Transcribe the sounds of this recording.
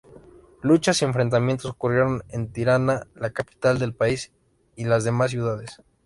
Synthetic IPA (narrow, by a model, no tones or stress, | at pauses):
lut͡ʃasie̞ɱfɾe̞nt̪amjent̪o̞sokurje̞ɾo̞ne̞nt̪iɾanalakapi̥t̪ald̪e̞lpais | ilazðe̞mas̬ːjuðaðes